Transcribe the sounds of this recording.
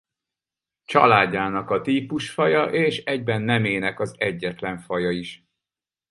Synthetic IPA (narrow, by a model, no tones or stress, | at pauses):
t͡ʃɒ̰laːɟːaːnɒkɒt̪iːpuʃfɒjɒʔeːʃɛɟbɛnːɛmeːnɛkɒzɛɟːɛt̪lɛɱfɒjɒiʃ